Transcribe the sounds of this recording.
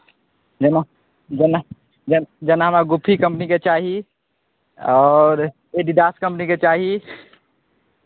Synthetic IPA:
d͡ʒəna | d͡ʒna | d͡ʒd͡ʒənaɦəmaɡʊpʰːikə̃mpniket͡ʃaːɦi | ɔːɾ | eɖiɖaːskə̃mpniket͡ʃaːɦi

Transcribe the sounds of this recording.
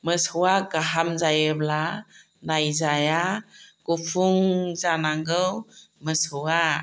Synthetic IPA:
məsɯwaɡaɦamzajəbla | najzajaɡupʰuŋzanaŋɡɯw | məsɯwa

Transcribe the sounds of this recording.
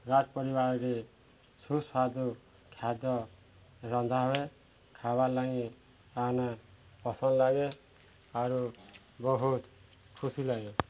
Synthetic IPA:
ɾatpɔɾibaɾɔɾe | susad̪u | kʰjad̪ɔ | ɾɔnd̪ʱaɦoe | kʰabalaŋi | ana | pɔsɔnlaɡe | aɾu | bɔɦut̪ | kʰusilaɡe

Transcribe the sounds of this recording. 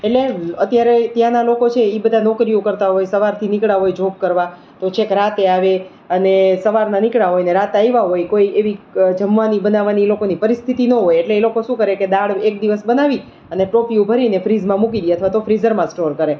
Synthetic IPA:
eʈleət̪jaɾet̪jãnalokot͡ʃʰeibəd̪ʱanɔkɾijukəɾt̪aɦojsəʋaɾt̪ʰinikɽaɦojd͡ʒʱop̚kəɾʋa | t̪ot͡ʃʰekɾat̪eaʋe | ənesəʋaɾnanɪkɽaɦojneɾat̪aiʋaɦojkoieʋid͡ʒəmʋanibənaʋanilokonipəɾist̪ʰit̪inəɦojeʈleːlokoʃũkəɾeked̪aɽek̚d̪iʋəsbənaʋi | əneʈopiũbʱəɾinefɾizmãmukiɡeət̪ʰʋat̪ofɾizəɾmãsʈoɾkəɾe

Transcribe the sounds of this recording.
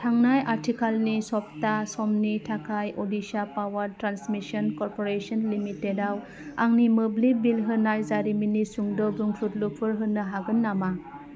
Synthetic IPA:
tʰaŋnajaɾtʰikalnisɔp̚tasɔmnitʰakʰajodisapawaɾtɾansmisɔnkɔɾpoɾesɔnlimitedaw | aŋnimɯblibilɦɯnːajzaɾiminisuŋdɔbuŋpʰut̚lupʰɯɾɦɯnːɯɦaɡɯnːama

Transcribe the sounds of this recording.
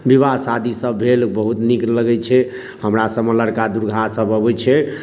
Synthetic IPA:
biβasad̪ʱisəbːʱelbəɦut̪nikɾləɡɛt͡ʃʰɛ | həmɾasəbmələɾkad̪uɾɡʱasəbəbɛt͡ʃʰɛ

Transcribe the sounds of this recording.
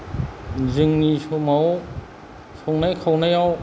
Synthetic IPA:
zɯŋnisɔmaw | sɔŋnajkʰawnajaw

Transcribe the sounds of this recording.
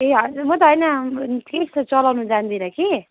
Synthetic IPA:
eʌmʌt̪ʌɦʌjnʌt̪kest͡sʌlawnud͡zand̪iɾʌki

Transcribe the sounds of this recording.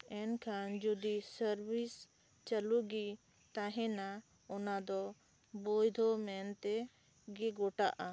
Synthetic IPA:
ɛnkʰand͡ʒɔd̪isəɾbis | t͡ʃəluɡi | t̪aɦɛ̃na | ɔnad̪ɔ | bɔjd̪ʱɔmɛnt̪ɛ | ɡɛɡɔʈa̰ʔa

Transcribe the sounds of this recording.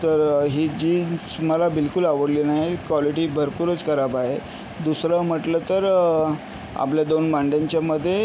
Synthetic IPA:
t̪əɾɦiːd͡ʑiːnsməlabilkulaʋəɽlinajekʋaliʈiːbʱəɾpuɾət͡skəɾabaɦe | d̪usɾəm̤əʈlət̪əɾ | a̰pljad̪onbaɳɖjaɲt͡ɕjaməd̪ʱːje

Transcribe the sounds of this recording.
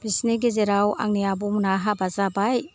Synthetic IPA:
bɾisniɡezeɾawa̰ŋnijabumunaɦabazabaj

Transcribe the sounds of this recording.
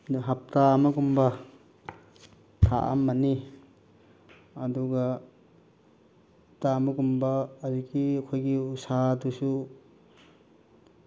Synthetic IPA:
ɦap̚tamɐɡumbɐ | t̪ʰa̰ʔa̰mːɐni | ɐduɡɐ | hp̚tamɐɡumbɐːzikikʰojɡiusadusu

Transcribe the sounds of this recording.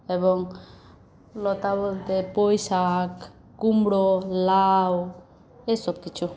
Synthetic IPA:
eβoŋ | lot̪aβold̪epojsakː | umbɾolaw | esok̚t̪it͡ʃu

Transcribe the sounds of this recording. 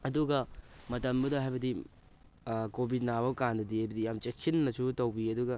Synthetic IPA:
ɐduɡɐmɐtɐmbɐdɐɦajbɐdi | kobʱit̚nabɐwkandɐdihajbɐdijamt͡ʃek̚sinːɐsutɐwbiɐduɡɐ

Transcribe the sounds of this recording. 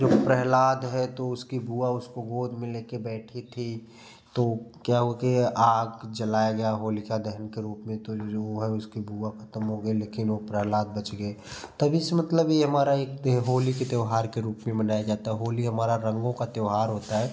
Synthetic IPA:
d͡ʒopɾəɦlaːd̪ɦɛt̪oʊskibʱuaʊskoɡoːd̪ʱmɪlekebɛːʈʰit̪ʰi | t̪okjaɦuekeaːɡd͡ʒəlaːjaɡɐjaɦoːlikad̪ɛɦənkeɾuːpmẽt̪ooɦɛʊskibʱuakʰə̥t̪əmɦoɡəileːkɪnopɾəɦlaːd̪̚bət͡ʃɡəet̪əbʱisemət̪ləbeɦəmaːɾaeːk̚t̪eɦoːliket̪jʊɦaːɾkeɾuːpmẽbənaːjad͡ʒat̪aɦɛɦoːliɦəmaːɾaɾə̃ŋɡõkat̪eʊɦaːɾɦoːt̪aɦɛ

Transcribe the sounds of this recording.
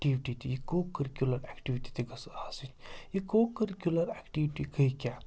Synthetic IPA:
ʈiʋiʈit̪ijikoːkɐɾikʲulɐɾɛkʈiʋiʈi̥t̪iɡɐsaːsit͡ʃʲjikoːkəɾikʲjulɐɾɛkʈiːʋiʈiɡəjkʲaː

